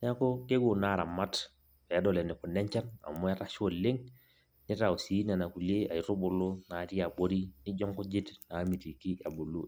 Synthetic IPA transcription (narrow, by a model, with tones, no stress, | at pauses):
a˦ko˦ke˦ɡu˨na˦ɾa˨mːa˦t | ja˦do˨le˨ni˨ku˨nːe˦ɲt͡ʃa˦na̰˨mːo˦a˦ta˦ʃo˨lːe˦ŋ | ni˦ta˨u˨si˨˦na˨na˨ku˨le˦a˨ji˨ɾu˦bu˨lu˦na˨ti˦ja˨bo˦ɾi˦ni˦d͡ʒo˦ŋku˦d͡ʒi˦tna˨˦mi˨ti˨ki˦ja˨bu˨lu˦